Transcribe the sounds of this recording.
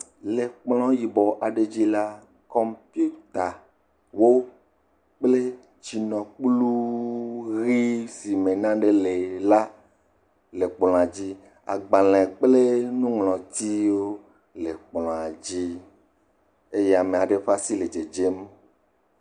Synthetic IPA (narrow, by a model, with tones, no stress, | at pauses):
le˨k͡plɔ̃˦ji˨bɔ˨ʔa˨ɖe˦d͡ʑi˦la˦ | kɔ˦mpi˦u˦t̪a˨ | wo˦ | k͡ple˦ | t͡ʃi˨nɔ̃˨k͡plu˦ | ɣi˦si˨mẽ˨nã˦ɖe˦le˨la˦ | le˨k͡plɔ̃˨a˨d͡ʑi˦ | a̰˨ɡ͡ba˨lɛ̃˨k͡ple˦nũ˦ŋlɔ̃˨t̪i˦wo˦ | le˨k͡plɔ̃˨a˨d͡ʑi˦ | e˦je˦a˨me˨a˨ɖe˦ɸa˦si˦le˨d͡ʒe˨d͡ʒe˦m